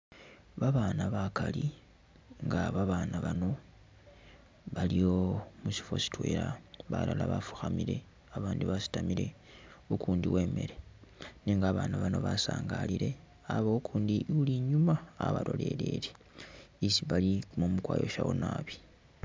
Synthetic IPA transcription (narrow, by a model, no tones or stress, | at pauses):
βaβaːnaβakali | ŋɡaβaβaːnaβano̞ | βalijo̞musi̥fo̞si̥twe̞ːɾaβa̰lalaβafu̥xamiɾe̞ | aβaːndiβasi̥tamiɾe̞ | ukuːndiwe̞ːme̞ɾe̞niːŋɡaːβaːnaβano̞βasaːŋɡaliɾe̞ | aβoukʰuːndiʔuliɲumaaβalo̞le̞lḛɾe | isiβalimomukwaːjo̞ʃawonaːβi̥